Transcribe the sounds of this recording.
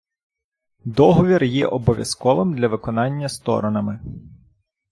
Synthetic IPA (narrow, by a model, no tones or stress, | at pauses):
d̪ɔɦɔʋʲirjɛ̰ʔɔbɔʋʲjɐskɔʋɪmd̪lʲɐʋɪkɔnɑnʲːɐst̪ɔ̰ɾɔnɐmɪ